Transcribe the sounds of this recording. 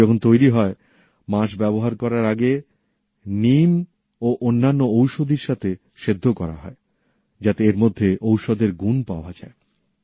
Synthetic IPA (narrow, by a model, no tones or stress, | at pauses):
ɔkʰont̪ojɾiɦɔe | maʃ̬bɛboɦaɾkɔɾaɾaɡe | nim | oʔonːanːoowʃod̪ʱiɾʃat̪ʰe | ʃed̪ʱːokɔɾa̰ɦɔ̰e | d͡ʑat̪eeɾmod̪ʱːeʔowʃod̪eɾɡunpaoad͡ʑa̰e